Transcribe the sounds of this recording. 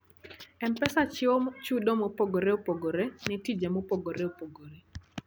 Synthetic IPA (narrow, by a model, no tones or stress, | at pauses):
ɛmpɛsat͡ʃɪomt͡ʃudomopoɡoɾeopoɡoɾenɪtid͡ʒemopoɡoɾeopoɡoɾe